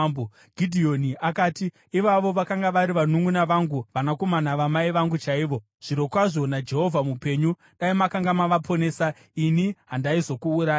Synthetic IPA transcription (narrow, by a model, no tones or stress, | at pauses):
bo | ɡʱidʱio̞niʔakaːtiː | ʋaʋo̞ʋakaŋɡaʋaɾiʋanuŋɡunaʋaŋɡuʋanako̞manaʋamaiʋaŋɡut͡ʃaiʋo̞ | ʐ̥iɾo̞kwaʐo̞nad͡ʒe̞ɦo̞vʱamupe̞ɲu | ɗaimakaŋɡamaʋapʰo̞ne̞ːsa | iniɦandaizo̞kuːɾaːj